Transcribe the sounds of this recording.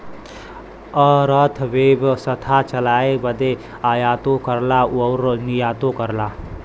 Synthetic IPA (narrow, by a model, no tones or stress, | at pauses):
əɾət̪ʰʋebsət̪ʰat͡ʃəlaːebəd̪e | ajaːt̪okəɾlaəwɾnijaːt̪okəɾla